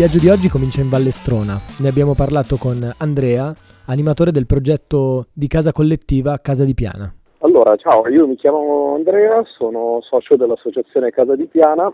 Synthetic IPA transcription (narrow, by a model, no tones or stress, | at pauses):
vjad͡ʒːod̪iɔd͡ʒːikomint͡ʃaiɱvalːest̪ɾoːnaneabjaːmoparlaːt̪okonand̪ɾɛːa | animat̪oːɾed̪elpɾod͡ʒɛt̪ːod̪ikaːzakolːet̪ːiːvakaːzad̪ipja̰ːna̰ | alːoːɾat͡ʃaːoiːomikjaːmavoand̪ɾɛːasoːnosɔːt͡ʃad̪elːasːot͡ʃat̪sːjoːnekaːzad̪ipjaːna